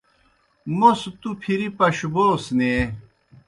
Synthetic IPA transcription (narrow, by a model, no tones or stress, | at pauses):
most̪upʰiɾipɐɕuboːsne